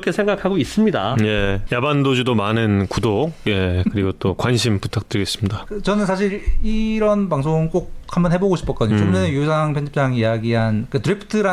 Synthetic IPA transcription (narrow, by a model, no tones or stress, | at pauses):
kʰe̞sʰe̞ŋɡakʰaɡois͈ɯmɲida̰je̞jabandod͡ʑidomanɯnkudokje̞kkɯɾiɡot͈okwanɕʰimputʰak̚t͈ɯɾiɡe̞s͈ɯmɲidakɯt͡ɕʌnɯns̬ʰaɕʰiɾiɾʌnpaŋsʰoŋk͈ok̚hambʌnɦe̞boɡoɕʰi̥p͈ʌk͈ʌdɯɲot͡ɕomonejosʰaŋpʰjʌnd͡ʑip̚t͡ɕ͈aŋijaɡiɦank͈atɯɾipʰɯ̥tʰɯɾa